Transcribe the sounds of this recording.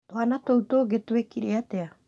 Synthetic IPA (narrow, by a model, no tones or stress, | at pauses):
t̪oanat̪owt̪oɡet̪uekiɾeat̪ea